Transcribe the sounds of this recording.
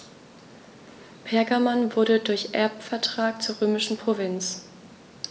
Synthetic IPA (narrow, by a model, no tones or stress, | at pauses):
pʰɛɐɡamanvʊɐɾədʊɐçʔɛ̰ɐpfɛɐtʁ̥aːk̚t͡suːɐʁøːmɪʃn̩pʁ̥ovɪnt͡s